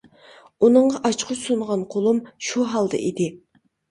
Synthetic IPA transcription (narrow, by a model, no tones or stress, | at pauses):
unɨɴʁɑʔɑt͡ʃqʰʊsunʁɑnqʰolˠumʃuɦɑlˠd̪ɑ̰ʔid̪ɪ